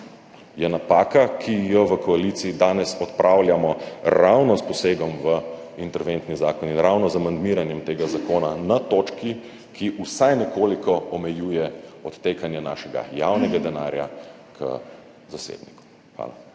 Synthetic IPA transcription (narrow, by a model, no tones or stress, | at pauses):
jɛnapaːkakʰijɔʋəkɔalit̪siid̪aːnɛsɔt̪pɾʔaːwljamɔɾawnɔspɔseːɡɔmʋə | int̪ɛɾʋent̪nizaːkɔninɾawnɔzamand̪miːɾanjɛmt̪eːɡazakoːnanat̪oːt͡ʃki | kʰiʔusajnɛkoːlikɔɔmɛjuːjɛɔt̪ːekanjɛna̰ːʃɛɡa̰jawnɛɡad̪ɛnaɾja̰ | kʰə̰ | zasḛd̪niku̥ | xʋa̰ːla̰